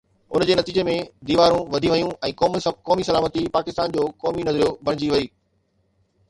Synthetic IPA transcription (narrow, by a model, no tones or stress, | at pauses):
ʊ̰nd͡ʑeːnɐt̪iːd͡ʑemẽd̪iːʋaːɾũʋɐd̪ʱiʋɐjũɛ̃ːkɔːmkɔːmisɐlaːmət̪ipaːkɪst̪aːnd͡ʑoːkɔːminɐzəɾijobʱɐɽ̃ɪd͡ʑiʋɐiː